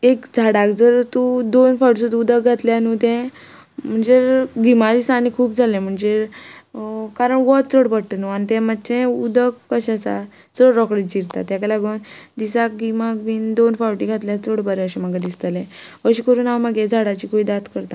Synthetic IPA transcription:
ekd͡zʱaɽakd͡zəɾt̪ud̪onfawʈsut̪ud̪ək̚ɡʱat̪ljanut̪ɛ̃ | m̤əɳd͡zeɡimad̪isanikʰuːp̚d͡zʱalẽm̤əɳd͡ze | kaɾəɳʋɔt̪̚t͡səɽpəɽʈənuanit̪ɛ̃mət̪ːt͡ɕɛ̃ud̪əkːəɕasa̰ | t͡səɽɾɔkɽed͡ʑiɾt̪a̰t̪jakalaɡənd̪isak̚ɡimak̚biːnd̪onfawʈiɡʱat̪ljat͡səɽbəɾɛəɕɛmaɡad̪ist̪alẽ | ʋəɕikəɾuːnaməɡẽd͡zʱaɽat͡ɕiːkoid̪at̪kəɾt̪a

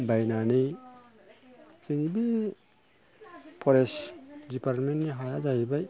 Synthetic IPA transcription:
bajnanɯj | kind͡ʒibi | pʰɔɾesdipaɾtmentniɦajad͡ʒajbaj

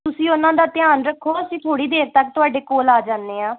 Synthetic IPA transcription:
t̪ʊsĩːʊnãːd̪aːt̪ɪjaːnɾəkʰːoːəsĩːt̪ʰoːɽiːd̪eːɾt̪ək̚t̪ʊaːɖeːkoːlaːd͡ʒãːnd̪eːɦãː

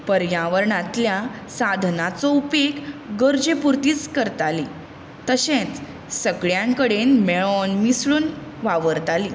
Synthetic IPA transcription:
pəɾjãʋəɾɳãt̪lja | sad̪ʱnat͡sɔupekɡəɾd͡ʑepuɾt̪iːt͡skəɾt̪ali | t̪əɕẽt͡s | səɡɭjãŋkəɽenmeɭɔnmisɭuːnʋaʋəɾt̪aliː

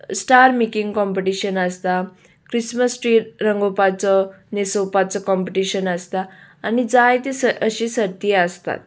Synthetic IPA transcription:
sʈaɾmikĩŋɡkɔmpeʈiɕənəst̪a | kɾisməsʈɾiːʈɾəŋɡopat͡sɔ | nesopat͡sɔkɔ̃mpeʈiɕənəst̪aːnid͡zajt̪esəəɕĩsəɾt̪iəst̪a̰t̪

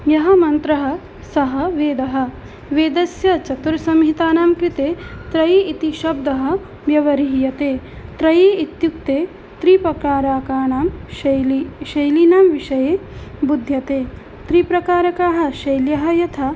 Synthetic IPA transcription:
jɐɦɐmɐnt̪ɾɐɦɐ̆ | sɐɦɐʋeːd̪ɐɦɐ̆ | ʋeːd̪ɐsjɐt͡ʃɐt̪uɾsɐmɦit̪aːnaːmkɾit̪eːt̪ɾɐjiit̪iʃɐb̚d̪ɐɦɐ̆ | ʋjɐʋɐɾiɦjɐt̪eːt̪ɾɐjeːit̪juk̚t̪eː | t̪ɾipɐkɾaːɾaːkaːɳaːm | ʃɐjlinaːmʋiʃɐjeːbud̪ʱjɐt̪eː | t̪ɾipɾɐkaːɾɐkaːɦɐ̆ʃɐjljɐɦɐjɐt̪ʰɐ

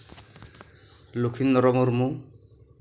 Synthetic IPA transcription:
lukʰinːɔɾɔmuɾmu

